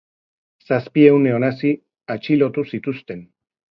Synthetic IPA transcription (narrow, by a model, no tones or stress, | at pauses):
saspie̞wne̞o̞nasi | at͡ʃilo̞t̪usit̪ust̪e̞n